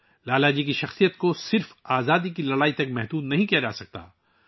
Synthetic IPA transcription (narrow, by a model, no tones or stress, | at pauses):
laːlaːd͡ʒikiʃɐxsijət̪kosɪɾfaːzaːd̪ikilɐɽaːit̪ɐkmɛɦd̪uːd̪nɐɦĩkijad͡ʒaːsɐk̚t̪a̰ː